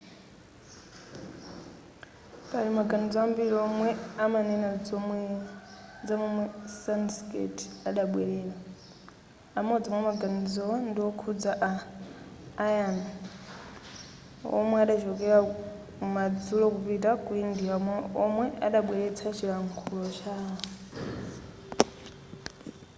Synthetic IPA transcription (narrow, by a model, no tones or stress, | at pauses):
paɾimaɡanizɔambiɾiɔmwɛamanɛna | d͡zamwɛmwɛsanskḛtʰaɗaɓwɛɺɛːla | amɔd͡zɔmwɛmaɡanid͡zɔwndiwɔkʰud͡zaʔaː | jan | ɔ̰mwɛaɗat͡ʃɔkɛɾa | umad͡zulɔkupitakuindiaɔmwɛʔa̰ɗaɓwɛɺɛt͡sʰat͡ʃʰiɺaŋkʰulɔt͡ʃaɦɔ